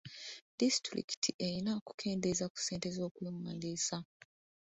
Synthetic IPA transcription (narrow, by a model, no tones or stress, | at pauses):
d̥istɾḭki̥tʰiʔeinaoku̥kʰe̞ːndezaku̥se̞ːnte̞zo̞ːkweːmaliːsa